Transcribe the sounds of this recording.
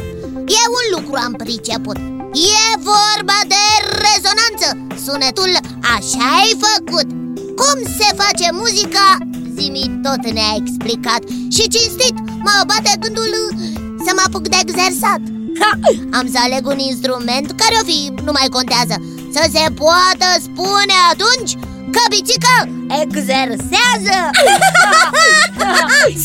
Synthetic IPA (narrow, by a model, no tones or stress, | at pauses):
jeunlukɾuampɾit͡ʃeput̪̚ | jevorbad̪e̞rezo̞nant̪sə | sunet̪ul | aʃaejfəkut̪ | kumse̞fat͡ʃe̞muzika | zimit̪ot̪neaeksplikat̪ | ʃit͡ʃinst̪it̪ | maobat̪eɡɨnd̪ul | səmapukd̪eːɡzersat̪ | ams̬əaleɡuninst̪ɾume̞nt̪kaɾeofinumajko̞nt̪eazə | səs̬epoat̪əspuneat̪unt͡ʃʲ | kəbit͡ʃikə | eɡzerseazə